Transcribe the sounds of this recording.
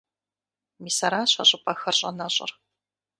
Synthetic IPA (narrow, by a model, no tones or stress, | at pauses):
misɐɾaːɕɐ̰ʑʼɪpʰʼɐxɐrʑʼɐ̰nɐɕʼɪ̰r